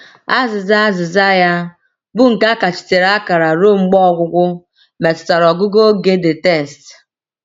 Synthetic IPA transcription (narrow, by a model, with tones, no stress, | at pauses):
a˦zɪ˨za˦zɪ˨za˦ja˦ | bʊ˦ŋ̩˨ka˦ka˨t͡ʃi̥˨te˨ɾa˦ka˨ɾa˨ɾo˦˨ŋ͡m̩˦ɡ͡bɔ˦˨ɡʷʊ˦ɡʷʊ˦ | me˨tʊ̥˨ta˨ɾɔ˨ɡʊ˦ɡo˦ɡe˦dɪ˨te˦˨st